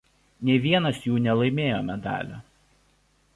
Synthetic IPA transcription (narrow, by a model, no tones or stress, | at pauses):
nʲeːʋʲiɛnɐsjuːnʲɛlˠɐɪmʲeːjoːmʲɛd̪ɑ̰ːlʲo̰ː